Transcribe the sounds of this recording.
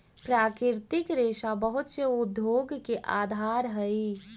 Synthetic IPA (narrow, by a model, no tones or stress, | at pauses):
pɾakɪɾt̪ikɾeʃabəɦut̪seud̪ʱjoɡkeʔad̪ʱaɾɦəj